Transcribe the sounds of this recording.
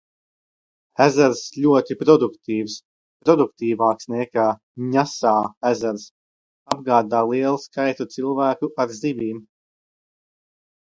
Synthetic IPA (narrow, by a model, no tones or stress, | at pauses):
æzæɾsʎʲuɔt̪ipɾɔd̪ukt̪iːvs | pɾɔd̪uk̚t̪iːvaːksnɛkaː | ɲasaːæzæɾs | abɡaːd̪aːlˠiɛlˠskajt̪ut̪silˠvæːkuʔaɾzivʲiːm